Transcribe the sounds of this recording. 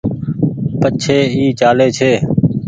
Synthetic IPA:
pət͡ʃʰeːiːt͡ʃaːleːt͡ʃʰeː

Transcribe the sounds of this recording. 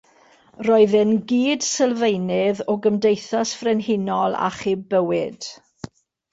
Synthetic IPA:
rɔɨðɪnɡiːd̥səlˠvejnɪðɔɡəmdejθasfrɛnɦɪnɔlˠa̰χibəwɪd̥

